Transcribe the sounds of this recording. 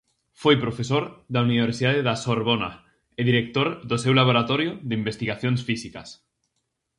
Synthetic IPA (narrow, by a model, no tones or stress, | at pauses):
fojpɾofesoɾðauniβeɾsiðaðeðasoɾβona̰ | eðiɾek̚t̪oɾðosewlaβ̞oɾat̪ɔɾjoðeimbest̪iɣaθjonsfisikas